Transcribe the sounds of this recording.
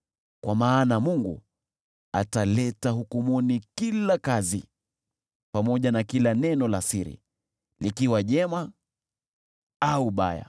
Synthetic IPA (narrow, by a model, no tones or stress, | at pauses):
kwʔamaːnamuŋɡṵ | a̰talɛtaɦukumunikilakazḭ | pamɔʄanakilanɛnɔlasiɾḭ | likiwaʄɛma | auɓa̰ja̰